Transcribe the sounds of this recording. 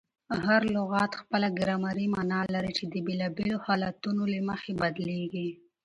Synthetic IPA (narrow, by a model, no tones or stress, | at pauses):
ɦaɾlʊɣɑt̪xpəlaɡɾamaɾimɑnɑlaɾit͡ʃed̪əbelɑbelohɑlat̪unoləməxebad̪leɡi